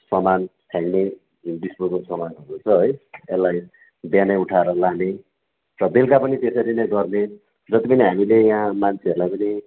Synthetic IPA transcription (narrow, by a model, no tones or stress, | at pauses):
sʌmansʰaŋne | indismokosʌmanɦʌɾut͡sʰʌɦʌjelːaj | bjanajuʈʰaeɾʌlane | rʌbelkapʌnit̪esʌɾinʌjɡʌrne | d͡zʌt̪ipʌniɦamilejɦãmant͡sʰeʌɾlajpʌni